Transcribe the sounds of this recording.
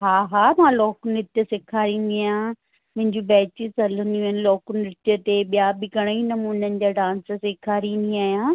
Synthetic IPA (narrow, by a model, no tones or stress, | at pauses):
ɦaːɦaːmãːlɔːkʊnɪt̪ijəsɪkʰaːɾĩːnd̪iaːjãː | mʊ̃ɦɪ̃ɲd͡ʑũbɛːt͡ɕɪsɐlə̃nd̪ijũɦnɪ̆lɔːkʊnɪt̪jət̪eɓijabɪɡɐɽ̃əinɐmuːnənɪ̆d͡ʑaːɖãːnssɪkʰaːɾĩːnd̪iaːjãː